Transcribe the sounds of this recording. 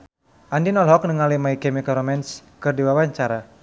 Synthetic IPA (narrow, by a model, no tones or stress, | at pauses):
ʔandinɔlɦɔk̚nəŋalimaikɛmikaɾɔmɛnskɨrdiwawaɲt͡ʃaɾa